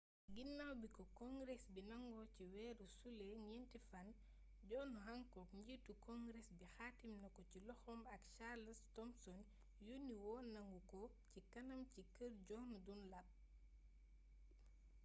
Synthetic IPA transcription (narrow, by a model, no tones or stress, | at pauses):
ɡinːawbikɔkɔŋɡɾɛsbinɐŋɡɔciwɛːɾusulɛŋɛntifɐn | ɟɔːnuɦaŋkɔkɲɟitukɔŋɡɾɛsbixaːtimnɐkɔcilɔxɔmɐkʃalɐstɔmsɔn | juniwɔːnɐŋɡukɔ | cikɐnɐmcikəɾɟɔnudunlɐp̚